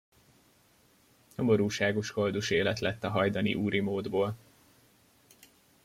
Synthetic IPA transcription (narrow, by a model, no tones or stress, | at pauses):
ɲomoɾuːʃaːɡo̞ʃɡo̞ld̪uʃeːlɛt̪lɛt̪ːɒɦɒjd̪ɒnḭʔuːɾimoːd̪boːl